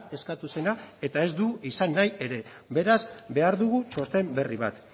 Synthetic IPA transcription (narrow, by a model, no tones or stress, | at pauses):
e̞skat̪use̞nae̞t̪ae̞zd̪uisanːaje̞ɾe̞ | be̞ɾazbe̞aɾðuɣut͡ʃo̞st̪e̞mbe̞riβ̞at̪